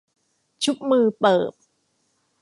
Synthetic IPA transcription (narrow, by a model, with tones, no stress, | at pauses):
t͡ɕʰu˦˥p̚mɯː˧pɤː˨˩p̚